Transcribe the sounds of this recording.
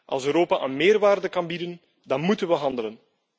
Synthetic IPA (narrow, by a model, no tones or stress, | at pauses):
ʔɑ̰lˠsøɾoːpaʔənmeːrʋaːrdəkɑnbidən | dɑnmutənʋəɦɑndələn